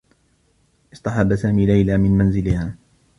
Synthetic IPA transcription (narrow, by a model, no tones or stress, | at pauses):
ʔɪst̪ɑħɑbːasaːmiːlajlaːmɪnmanzɪlɪhaː